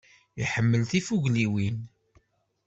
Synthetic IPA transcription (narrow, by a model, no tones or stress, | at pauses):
iħəmːəlθifuʝliwin